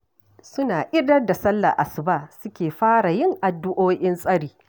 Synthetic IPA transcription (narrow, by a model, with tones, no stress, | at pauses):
sʊ˦naː˨ʔɪ˦dɐ˦rda˨sɐ˦lːa̰˨ʔa˨sʊ˨ba˦sʊ˦kʲeː˨ɸaː˦ɽa˨jɪ˦ŋʔa˨dːʊ˦ʔoː˦ʔɪ˦nsʼɐ˦ɽiː˨